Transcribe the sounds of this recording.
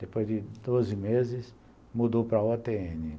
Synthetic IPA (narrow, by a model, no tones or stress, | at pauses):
d̪̥epojzdɪd̪ozɪmezɪs | mud̪owpɾɐat̪eẽnɪ